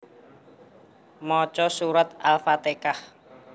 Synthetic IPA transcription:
mɔt͡ʃɔsuɾat̪alfat̪ekah

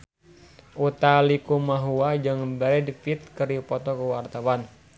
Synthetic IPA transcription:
ʔut̪alikumaɦuad͡ʒɨŋəbaɾɛdifit̪̚kɨripɔt̪ɔkəwart̪awan

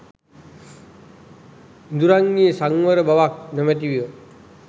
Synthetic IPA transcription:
ind̪uɾaŋːiəsaŋʋəɾəbaʋak̚nəmət̪̬iʋijə

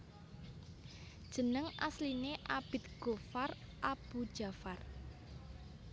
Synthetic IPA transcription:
d̥ʒ̥ə̤nəŋʔaslineʔab̥ɪ̤t̪ɡ̥ofar | ʔab̥ud̥ʒ̥a̤far

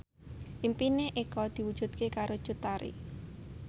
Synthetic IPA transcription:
ʔimpineʔekɔd̪̥i̤wud̥ʒ̥ṳd̪kekaɾod̥ʒ̥ut̪aɾḭ

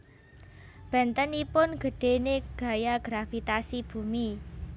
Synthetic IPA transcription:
b̥ɛ̤nt̪ənipʊnɡ̥ə̤ɖ̥e̤neɡ̥a̤jaɡ̥ɾafit̪asib̥ṳmi

